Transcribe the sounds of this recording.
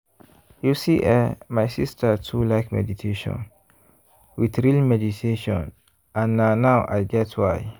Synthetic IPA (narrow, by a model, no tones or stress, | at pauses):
jusiʔɛmajsistʰətʰulaɪkmɛ̰ditʰeʃɔ̰̃n | witɹilmɛditʰeʃɔ̰̃n | ãnːanawʔa̰jɡɛtwaɪ